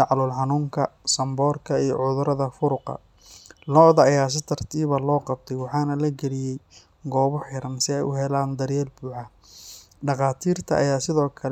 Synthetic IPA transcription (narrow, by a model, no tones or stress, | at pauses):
ʕɑlʊlħɑnuːŋkʰɐsɐmbɔːrkʰɐijɔ̰ʕʊðʊɾɐðɐfʊɾʊqɑ̰ | lɔðɐːjaːs̬ɪt̪ʰɐrt̪ʰiːβɐlɔːqɑb̚t̪ʰɛjwɑħɑːnɐlɐɡɛlɪjɛj | ɡɔːβʊħjɐɾɐmsɪɛjʔʊɦɛlaːnd̪ɐɾjɛːlbuːʕɑ | ɖɑqɑːt̪ʰiːrt̪ʰɐʔɐjaːsɪðɔːkʰɐl